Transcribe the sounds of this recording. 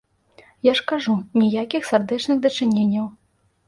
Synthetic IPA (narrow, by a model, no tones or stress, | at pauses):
jaʂkaʐunʲijakʲixsard̪ɛt͡ʂnɨɣd̪ɐt͡ʂɨnʲenʲːɐw